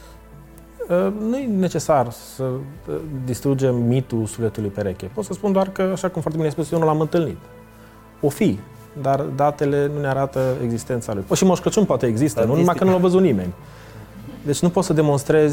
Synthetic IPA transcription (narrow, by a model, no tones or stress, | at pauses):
ənujene̞t͡ʃe̞sarsə | d̪ist̪ɾud͡ʒe̞mːit̪ulsufle̞t̪ulujpeɾekʲepot̪səspund̪oarkəaʃakumfoaɾrt̪ebinejaspusjewnulamɨnt̪ɨlnit̪ | o̞fi | d̪ard̪at̪e̞le̞nuneaɾat̪əeɡzist̪e̞nt̪salujpəʃimoʃkət͡ʃunpoat̪eeɡzist̪ənunumakənulawvəzut̪nime̞̰nʲ | d̪e̞t͡ʃʲnupot̪səd̪emo̞nst̪ɾe̞zʲ